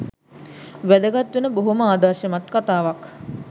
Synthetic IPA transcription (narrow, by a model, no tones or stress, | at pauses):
ʋæd̪əɡat̪ʋenəboɦoməaːd̪arʃəmat̪kat̪aːʋak